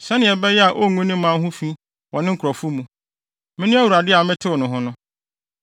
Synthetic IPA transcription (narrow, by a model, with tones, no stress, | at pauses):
sɛ˦nɪ̃˨ɛ˨bɛ˦jɛ˦a˨ʔo˦˨ŋʷũ˦nɪ̃˦mã˨˦ɦʊ̃˦fi˦ | wɔ̃˨nɪ̃˦ŋ̩˦kʰɾɔ˨fʊ˦mũ˨ | mɪ̃˦nʊ̃˦a˦wu˨ɾa˨dɪ˦a˨mɪ̃˦tʰɪ˦wʊ˨nʊ̃˨ɦʊ̃˦nʊ̃˦